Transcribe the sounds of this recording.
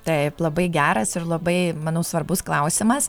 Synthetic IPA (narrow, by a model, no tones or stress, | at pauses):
t̪ɐɪplˠɐbɐɪɡʲæːɾɐsɪɾlˠɐbɐɪmɐnɐʊsʋɐɾbʊsklˠɐʊsʲɪmɐs